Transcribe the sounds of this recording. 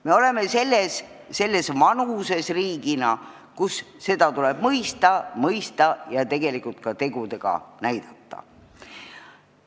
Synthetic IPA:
me̞o̞le̞me̞se̞lːesː | e̞lːe̞svɑnuse̞sriːɡinɑ | kusːe̞d̪̥ɑt̪uleb̥mɤjst̪ɑmɤjst̪ɑjɑt̪e̞ɡ̥e̞likˑult̪̚kɑt̪e̞ɡ̥ud̪e̞ɡ̥ɑ̰næjd̪̥ɑt̪ːɑ̰

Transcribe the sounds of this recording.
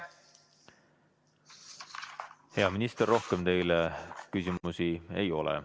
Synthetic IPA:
he̞ɑminist̪erːo̞hkemt̪e̞jlekysʲimusie̞jo̞lɛ̰

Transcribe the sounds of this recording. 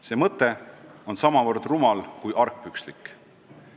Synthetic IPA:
se̞ːmɤt̪ˑːe̞o̞nsɑmɑvɤrd̪rumɑlkujʔɑrk̚pykslikː

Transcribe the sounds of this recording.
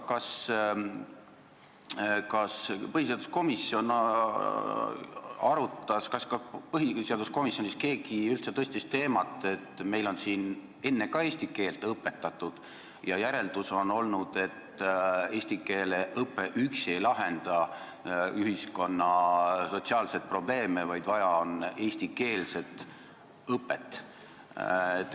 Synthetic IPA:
kɑs | kɑspɤhiseɑd̪usko̞misːjo̞n | ɑɾut̪ːˑɑskɑskɑpɤɦise̞ɑd̪usko̞misjo̞nʲiske̞ːɡiylt̪set̪ɤ̞st̪ist̪ːe̞ːmɑt̪ːˑe̞t̪ːˑme̞jlo̞nsiːn | e̞nːe̞kɑe̞ːsʲt̪ike̞ːlt̪ˑɤpːe̞t̪ːˑɑt̪ːˑud̪̥ | jɑjæɾe̞ld̪uso̞no̞lnud̪̥e̞t̪ːe̞ːsʲt̪ike̞ːleʔɤpːˑe̞ʔykse̞jlɑɦe̞nd̪̥ɑ | yɦisko̞nːɑso̞t̪siɑːlse̞t̪̚pro̞ble̞ːmevɑjd̪̥vɑjɑone̞ːsʲt̪ike̞ːlse̞t̪ˑ | ɤpːˑet̪ːˑ | et̪ː

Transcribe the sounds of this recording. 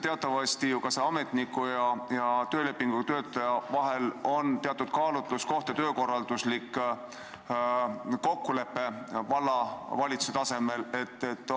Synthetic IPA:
t̪e̞ɑt̪ːˑɑvɑst̪ijukɑseɑme̞t̪nikːˑujɑjɑt̪øːle̞pːiŋɡ̥ut̪ø̞ːt̪ːˑɑjɑvɑɦe̞lo̞nt̪eɑt̪ːˑud̪̥kɑːlut̪lusko̞ht̪et̪øːko̞rːɑld̪̥uslikː | ko̞kːule̞pːe̞vɑlːɑvɑlʲit̪su̥set̪ɑse̞me̞le̞t̪ːet̪ːˑ

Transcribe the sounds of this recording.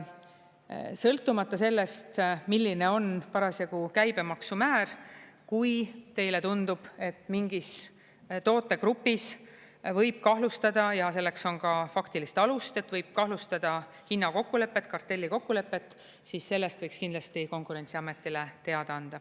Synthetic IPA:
sɤlt̪ːˑumɑt̪ːˑɑse̞lːe̞st̪milːine̞o̞npɑɾɑsjɑɡ̥ukæjb̥e̞mɑksumæːɾkujt̪e̞jle̞t̪und̪̥ub̥e̞t̪ːˑmiŋɡis | t̪o̞ːt̪ːˑe̞kɾupːis | vɤ̞jb̥̚kɑɦlust̪ɑd̪̥ɑjɑse̞lːe̞kso̞nkɑfɑkt̪ilist̪ɑlust̪e̞t̪ːvɤjb̥̚kɑhlust̪ɑd̪̥ɑ | hinːɑko̞kːule̞pːe̞t̪ːˑkɑrt̪ːe̞lʲːiko̞kːule̞pːe̞t̪ːˑ | sisːe̞lːest̪vɤjkskind̪lɑst̪iko̞ŋkuɾe̞nt̪siɑme̞t̪ːˑile̞t̪e̞ɑd̪ɑɑnd̪̥ɑ

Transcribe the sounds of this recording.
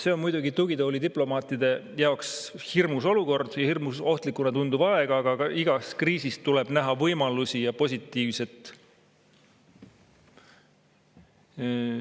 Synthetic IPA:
se̞o̞nmujd̪uɡit̪uɡ̥it̪oːlid̪iplo̞mɑːt̪ːˑid̪̥e̞ | jɑo̞ks | hirmuso̞luko̞rd̪̥jɑhirmuso̞ht̪likːˑunɑt̪und̪ub̥ɑeɡ̥ɑːɡ̥ɑkɑʔiɡ̥ɑskriːsist̪ːule̞b̥næɦɑvɤjmɑlusijɑpo̞s̬ʲit̪ːˑiːvse̞t̪ːˑ

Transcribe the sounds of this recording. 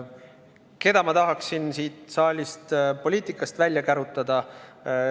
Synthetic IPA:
ke̞d̪̥ɑmɑt̪ɑɦɑksinsiːt̪sɑːlʲist̪po̞lʲiːt̪ˑikːˑɑst̪vælʲjɑkæɾut̪ːˑɑd̪̥ɑ

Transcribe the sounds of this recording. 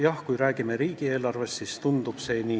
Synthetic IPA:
jɑhkujɾæːɡ̥imeɾiːɡ̥ie̞ːlɑrve̞st̪sist̪und̪ub̥se̞ːniː

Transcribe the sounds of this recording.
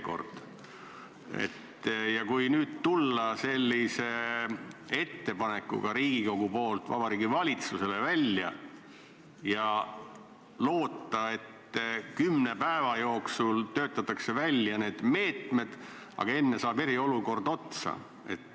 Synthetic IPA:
ko̞̰rd̪̥ | e̞̰t̪ː | jɑkujnyːd̪̥t̪ulːɑse̞lʲːise̞ | e̞t̪ːe̞pɑne̞kːˑṵɡ̥ɑɾiːɡ̥ikoɡ̥upo̞ːlt̪vɑ̰b̥ɑɾiːɡivɑlʲit̪suse̞le̞vælʲjɑ̰ | jɑ | lo̞ːt̪ˑːɑe̞t̪ːkymne̞pæevɑjo̞ːksult̪øːt̪ːˑɑt̪ːˑɑkse̞vælʲjɑne̞ːd̪̥me̞ːt̪me̞d̪̥ | ʔɑ̰ɡ̥ɑe̞nːesɑːbe̞ɾio̞luko̞rd̪̥o̞t̪sɑ̰ | e̞̰t̪ːˑ

